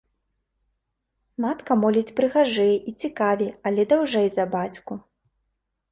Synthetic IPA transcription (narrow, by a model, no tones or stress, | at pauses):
mat̪kɐmɔlʲit͡sʲpɾɨɣaʐɛjɛʔit͡sʲikavʲiɐlʲɛd̪awʐɛjzɐbat͡sʲku